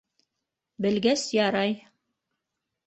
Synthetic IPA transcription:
bɘ̆lɡæsjɑɾɑj

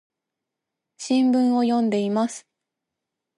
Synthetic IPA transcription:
ɕĩmbɯ̟̃ɰ̃o̞jõ̞nd̪e̞imasɨ̥

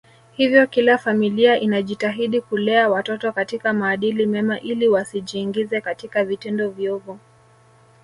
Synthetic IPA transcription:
hivjɔkilafamiliaʔinaʄitaɦiɗikulɛawatɔtɔkatikamaːɗilimɛmaʔiliwasiʄiːŋɡizɛkatikavitɛndɔvjɔvu

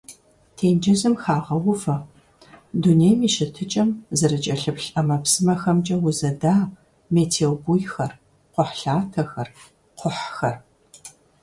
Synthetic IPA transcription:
tʰeːnd͡ʒɐzɨmxaːʁɐwʊfɐ | dunejmiːʃɪtʰɨt͡ʃʼɐmzɐɾɨt͡ʃʼɐɬɨpɬɐmɐpsɨmɐxɐmt͡ʃʼɐwʊzɐdaː | meːtʰeːwbujxɐr | qʷʊħɬaːtʰɐxɐr | qʷʊħxɐr

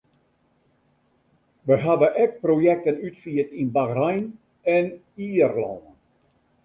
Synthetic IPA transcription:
ʋəɦadəʔɛk̚projɛk̚tənytfiːətinbaɣrajn | ɛn | iːrlɔ̰ən

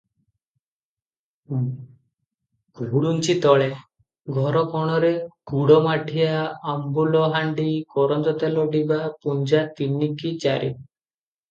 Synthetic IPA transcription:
ɡʱuɽunt͡ʃit̪ɔɭe | ɡʱɔɾɔkɔɽ̃ɔɾeɡ̥uɽɔmaʈʰiaambulɔɦaɳɖikɔɾɔnd͡ʒ̪ɔt̪alɔɖibapund͡ʒat̪inikit͡ʃaɾi

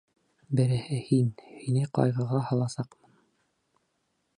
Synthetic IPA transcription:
bɘ̆ɾɘ̆hɘhinhinɘqɑ̰jʁɤ̆ʁɑhɑ̆lˠɑsɑqmɤn

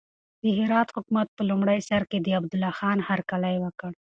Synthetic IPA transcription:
d̪̥əɦɪɾɑːt̪hʊkmat̪̚pəlumɽajsaɾked̪əab̚d̪ʊlɑːxɑːnhaɾkalajwəkəɽ

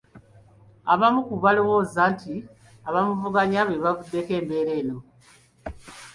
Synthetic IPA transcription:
a̰βamukuβalo̞wo̞ːzanti | aβamuvuɡaɲaβeβavudːe̞ke̞ːmbe̞ːɾe̞ːno̞

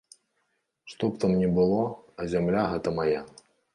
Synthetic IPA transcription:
ʂt̪ɔpt̪amnʲɛbɨlˠɔɐzʲamlʲaɦɛt̪ɐmɐja

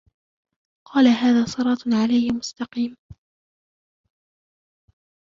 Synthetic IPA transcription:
qʰɑːlaɦaːðaːsˤɨɾˤɑːt̪ʕalajmʊst̪ɑqiːm

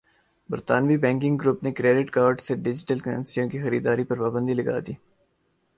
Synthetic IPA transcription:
bɐɾt̪aːnbibɛ̃ːŋkɪ̃ŋɡɾuːpnekɾeːɖɪʈkaːɾɖseɖɪd͡ʒɪʈəlkəə̰̃nsijõkixɐɾḭːd̪aːɾipɐɾpaːbə̃nd̪ilɐɡa̰ːd̪iː

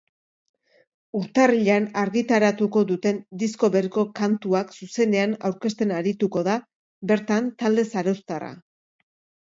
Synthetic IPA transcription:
uɾt̪ariʎanaɾɣit̪aɾat̪uko̞ðut̪e̞nd̪isko̞βe̞ɾiko̞kant̪uaksuse̞ne̞anawɾke̞st̪e̞naɾit̪uko̞ð̞a | be̞ɾt̪ant̪ald̪e̞saɾowst̪ara̰

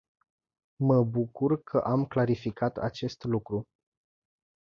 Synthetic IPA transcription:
məbukurkʰəʔamklaɾifikʰat̪a̰t͡ʃe̞st̪lukɾu

